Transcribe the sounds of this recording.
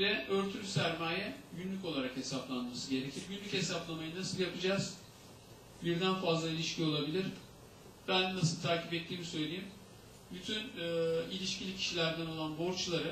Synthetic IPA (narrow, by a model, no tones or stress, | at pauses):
vɛʔøɾt̪ʰylsæɾmaːjɛɟynlʲyco̞lˠaɾakhe̞saplˠanmasɯɟe̞ɾecʰiɾɟynlʲyche̞saplˠamajɯnasɯlˠjapɯd͡ʒaz̥ | biɾd̪ænfazlˠailʲiʃcio̞lˠabilʲiɾ̥ | b̥ænːasɯlˠt̪ʰaːcʰipɛt̪ʰːiːmisø̞jlʲejim | byt̪ʰynɯilʲiʃcʰilʲicʰi̥ʃilʲæɾd̪æno̞lˠanbo̞ɾt͡ʃlˠaɾɯ